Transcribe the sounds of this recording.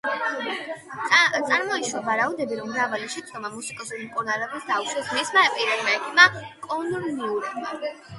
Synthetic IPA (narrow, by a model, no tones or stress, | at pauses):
t̪sʼaɾmɔiʃwavaɾaud̪ɛbiɾɔmːɾavaliʃɛd̪d̪ɔmamusikʼɔsulimkʼuɾnalɛbɛsd̪auʃɾɛsmɛsmaɛpʼiɾɛlmaɛkʰimakʼɔnɾniuɾɛbma̰